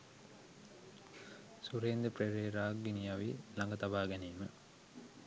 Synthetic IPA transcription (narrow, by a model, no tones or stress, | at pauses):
suɾeːnd̪əpɾeɾeːɾaːɡːinijaʋilaŋɡət̪abaːɡɛneːmə